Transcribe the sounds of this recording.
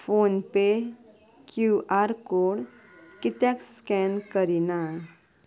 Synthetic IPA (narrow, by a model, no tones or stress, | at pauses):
foːnpe | kjuʔaɾkoːɽ | kit̪jakskɛnkəɾina